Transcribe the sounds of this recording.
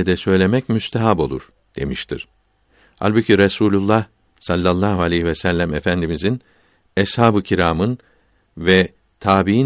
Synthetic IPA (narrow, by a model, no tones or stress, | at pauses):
ɛd̪ɛsø̞jlʲe̞mɛcmyst̪ʰɛɦabo̞̰lˠṵɾ̥ | d̪̥e̞̰miʃt̪ʰḭɾ̥ | ha̰lʲbɯcʰiɾesuːlʲulˠːah | salʲːalˠːaːhualʲejhivɛsælʲːæmefænd̪imizin | ɛshaːbɯcʰiɾaːmɯn | vɛ | t̪ʰaːbii